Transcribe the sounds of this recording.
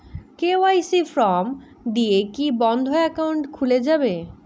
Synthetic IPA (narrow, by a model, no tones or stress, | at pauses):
keoajsifɾɔm | d̪iekibɔnd̪ʱoɛkawɳʈkʰuled͡ʑabe